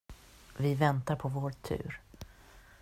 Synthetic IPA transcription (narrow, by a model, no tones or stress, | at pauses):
vɪvɛnt̪aɾpʰɔvoːɾt̪ʰʉ̰ːɾ